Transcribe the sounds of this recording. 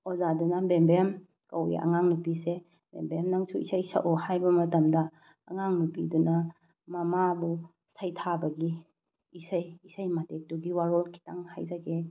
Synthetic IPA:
ozadunɐbembem | kɐwḭɐ̰ŋaŋnupise | bḛmbeɾamnaŋsuḭsajsa̰ʔɔhajbɐmɐtɐmdɐː | ŋaŋnupidunɐ | mɐmabu | sajtʰabɐɡiː | sajːsajmatek̚tuɡiwaɾolkʰi̥taŋha̰jzaɡe

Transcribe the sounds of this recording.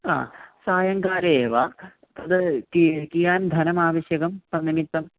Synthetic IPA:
a̰ːsaːjɐŋkaːɾeːʋa | t̪ɐd̪ɐikijaːnd̪ʱɐnɐmaːʋɐɕjɐɣɐmpɐnːɐmit̪ːɐm

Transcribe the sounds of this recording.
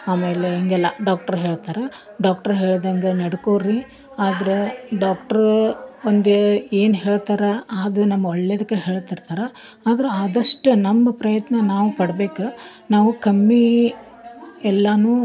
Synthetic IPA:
aːmeːleɐŋɡɛlːɐɖaːk̚ʈɐɾɦe̞ːɭt̪aːɾɐ | ɖaːk̚ʈɐɾɦe̞ːɭd̪ɐŋɡenɐɽkoːɾi | aːd̪ɐɾeɖaːkʈɐɾond̪ee̞ːnɦe̞ːɭt̪aːɾɐaːd̪unɐmːɐɔɭːed̪ɐkːeɦeːɭt̪iɾt̪aːɾɐ | aːd̪ɐɾeaːd̪ɐʂʈunɐmːɐpɾɐjɐt̪nɐnaːʋupɐɽɐbeːkɐ | naːʋukɐmːi | ɛlːɐnuː

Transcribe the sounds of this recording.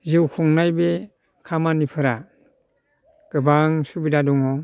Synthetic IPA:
ziwkʰuŋnajbe | kʰamanipʰɯɾa | ɡ̥ɯbaŋsubidadɔŋɔ

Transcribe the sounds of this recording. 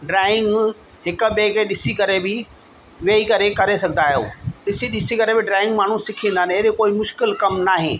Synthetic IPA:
ɖɾaːɪ̃ŋɡ | ɦɪk̆ɓeːkeɗɪsikɐɾebɪ | ʋeːikɐɾekɐɾesɐɡʱnd̪aːɦijo̰ːɗɪsiɗɪsikɐɾebɪɖɾaːɪ̃ŋɡmaːɳ̤ũsɪkʰĩːnd̪aːɪnɐɦɾekoːimʊʃkɪlkɐmnaːɦẽː

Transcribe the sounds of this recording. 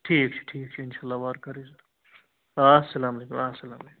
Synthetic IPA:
ʈʰiːk̚t͡ʃʰu̥ʈʰiːk̚t͡ʃʰuɪnʃaːlːaʋaːɾkɐɾisɐɾ | asɐlaːmɐlekumasɐlaːmlekum

